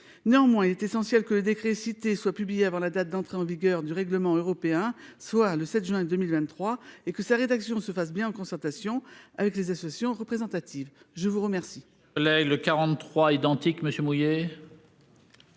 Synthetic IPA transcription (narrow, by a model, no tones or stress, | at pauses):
neɑ̃mwɛ̃ilɛt̪esɑ̃sjɛlkələd̪ekχesit̪eswapyblijeavɑ̃lad̪at̪̚d̪ɑ̃t̪χeɑ̃viɡʲœʁd̪yʁɛɡləmɑ̃øʁɔpeɛ̃swaləsɛt̪ʒɥɛ̃d̪əmilvɛ̃nt̪ːχwaekəsaʁed̪aksjɔ̃səfas̬bjɛ̃ɑ̃kɔ̃sɛʁt̪asjɔ̃a̰vɛklezasɔasjɔ̃ʁəpχezɑ̃t̪at̪iv | ʒəvuʁəmɛʁsi | ɔlɛɡləkaʁɑ̃χwaid̪ɑ̃t̪ikməsjømuje